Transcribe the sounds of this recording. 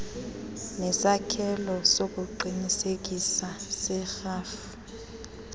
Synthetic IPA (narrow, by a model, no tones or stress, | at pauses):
nɛsakʰɛlɔsok̬ʼuǃinisek̬isasɛxaːfu̥